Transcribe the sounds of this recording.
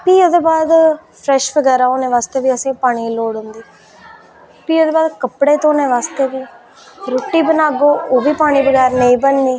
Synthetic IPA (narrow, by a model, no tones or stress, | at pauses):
piːoːd̪eːbaːd̪pʰɾɛːʃʋəɡɛːɾaːoːneːʋaːst̪eːʋiːəsẽːpaːɽ̃iːloːɽɦʊ̃nd̪iː | piːoːd̪eːbaːd̪kəpɽeːt̪õːnẽːʋaːst̪eːʋiː | ɾoːʈːiːbənaːɡoːoːʋiːpaːɽ̃iːʋəɡɛːɾneĩːbənːiː